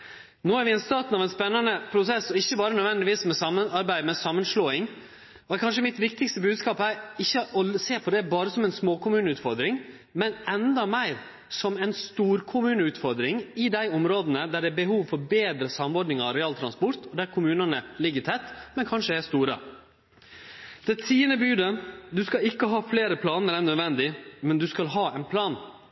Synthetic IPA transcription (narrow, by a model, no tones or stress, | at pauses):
noːæɾʋɪɛnst̪ɑːt̪n̩ɑʋɛɪnspɛnːɑnəpʰɾʊsɛsɔɪçːəbɑːɾənœʋɛnd̪ɪʋiːsmɛsɑmːənɑɾbæɪmɛsɑmːənʂloːɪŋ | ɔɛɾkʰɑnʂ̬əmɪt̪ʋɪk̚t̪ɪkst̪əbʉːd̪skɑːphæɾɪçːəɔseːɾpʰɔd̪ɛbɑːɾəsɔmɛɪnsmoːkʊmʉːnəʉːt̪fɔɾd̪ɾɪŋ | mɛnɛnd̪ɑmæɪɾ | sɔmɛnst̪uːɾkʰʊmʉːnəʉːt̪fɔɾd̪ɾɪŋɪd̪æɪɔmɾoːd̪ənəd̪æɖɛːbəhuːʋfɔɾbeːd̪ɾəsɑmɔɾɖ̪nɪŋɑɾɛɑːlt̪ʰɾɑnspɔɾt̪ɔd̪æɾkʰʊmʉːnɑnəlɪɡːəɾt̪ʰɛt̪ːmɛnkʰɑnʂəæst̪uːɾə̰ | d̪̥ɛt̪ʰiːənəbyːd̪əd̪ʉskɑlɪkːəɦɑːfleːɾəpʰlɑːnəɾɛnœd̪ʋɛnd̪ɪmɛnd̪ʉskɑlɦɑːɛɪnpʰlɑːn